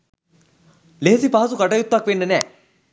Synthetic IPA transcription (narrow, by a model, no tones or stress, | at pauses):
leɦesipaɦɐsukɐʈɐjut̪ːʋakʋeːnːɐnɛː